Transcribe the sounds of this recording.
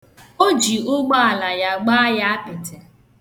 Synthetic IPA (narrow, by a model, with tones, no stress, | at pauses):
o˦d͡ʒi˨ʊ˦ɡ͡bɔ˦a˨la˨ja˨ɡ͡ba˦ja˦a˦pɪ˨te˨